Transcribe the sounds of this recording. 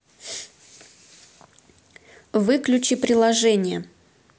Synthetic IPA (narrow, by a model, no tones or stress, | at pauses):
vɨklʲʉt͡ɕɪpɾʲɪlˠɐʐɛnʲɪjə